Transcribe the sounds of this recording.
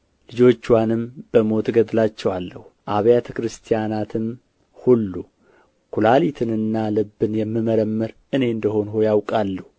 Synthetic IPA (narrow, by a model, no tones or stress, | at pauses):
lɨd͡ʒo̞t͡ʃːwanɨmb̥əmo̞t̪ʰɡəd̪lat͡ʃːɛwalːəhuʔaβjat̪ʰəkɾɨst̪ʰijanat̪ʰɨm | hulːu | kʰulalit̪ʰɨnɨnːalɨbːɨnjɛmːɨməɾəmːɨɾ | ɨne̞ɨnd̪əɦo̞nhojawkʼalːəhu